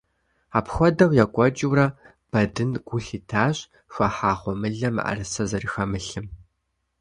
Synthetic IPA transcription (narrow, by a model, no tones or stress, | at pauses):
aːpxʷɔdɐwjakʷʼɔt͡ʃʼɪwrɐ | b̥ɐdɨnɡ̥ʷʊɬiːtʰaːɕʼ | xʷɐħaːχʷɔmɨɮɐma̰rɨsɐzɐrɨxɐmɨɬɨm